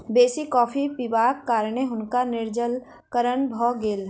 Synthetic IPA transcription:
beːsikɔːpʰipibaːkːaːɾɳeɦʊnkanɪɾd͡ʒəl | kəɾəɳbʱɔːɡeːlɦ

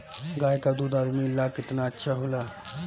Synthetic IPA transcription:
ɡajkad̪ud̪aɾmilːakɪt̪naətːʃʰaɦola

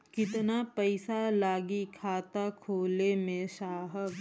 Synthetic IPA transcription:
kɪt̪napɐɪsalaːɡikʰaːt̪akʰoːlemẽʃaːɦək

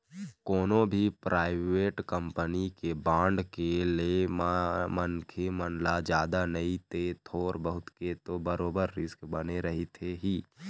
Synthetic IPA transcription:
koːnõbʱipɾʔaːɪʋeːʈkə̃mpənikebãːɳɖkelemmənkʰemənlad͡ʒjaːd̪anəit̪et̪ʰoːɾbəɦʊt̪ket̪obəɾoːbəɾːɪskbəneɾəɦit̪ʰeɦiː

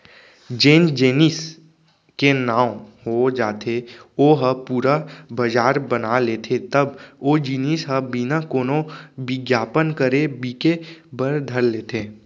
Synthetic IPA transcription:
d͡ʒẽːnd͡ʒeːnis | kenãːwɦod͡ʒaːt̪ʰeoːɦəpuːɾabəd͡ʒaːɾbənaleːt̪ʰet̪ɐboːd͡ʒiːnisɦəbinakoːnobɪɡjaːpənkəɾebiːkebəɾd̪ʱəɾleːt̪ʰeː

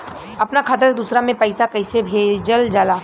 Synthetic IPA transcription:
ɐpnakʰaːt̪̬əɾd̪uːsɾamẽpɐɪsakɐɪsebʱeːd͡ʒəld͡ʒaːlaː

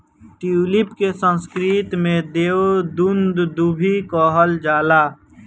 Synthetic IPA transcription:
ʈilɪpkesə̃nskɾit̪mẽd̪eːwd̪und̪d̪ubʱikɔːɦəld͡ʒaːlaː

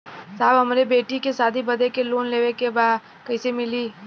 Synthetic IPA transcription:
saːbɦɐmɾebeːʈikesaːd̪ʱibɐd̪ʱekeloːnleːʋekebaːd̪ | kɐisemɪliː

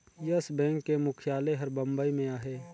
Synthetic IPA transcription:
jəsbɛ̃ːŋkːemʊkʰijaːleɦɐɾbə̃mbəimẽaːɦeː

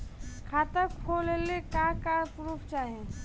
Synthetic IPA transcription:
kʰaːt̪əkpʰolelekakapɾuːpʰt͡ʃaːɦẽ

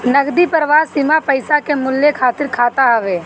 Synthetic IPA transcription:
nɐɡd̪ipəɾʋaːsɪmapəɪsakemʊlːjekʰaːt̪ɪɾkʰaːt̪aɦɛʋeː

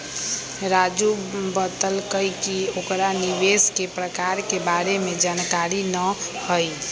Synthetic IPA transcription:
ɾad͡ʒubət̪əlkəikiokɾaniʋeskepɾəkaɾkebaɾemẽd͡ʒankaɾinəhəi

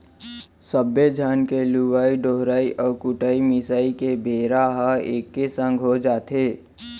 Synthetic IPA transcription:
səbjed͡ʒʱaːnkeluʋaːiɖoɦɾaːiʔɔːkʊʈaːimɪsaːikebʱeːɾaɦaeːkːesə̃ŋɡʱɦod͡ʒaːt̪ʰeː

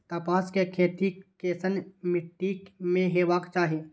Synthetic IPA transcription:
t̪ɐpaːskekʰeːt̪ikeːsənmɪʈːiːkmẽɦeʋaːkt͡ʃaːɦeː

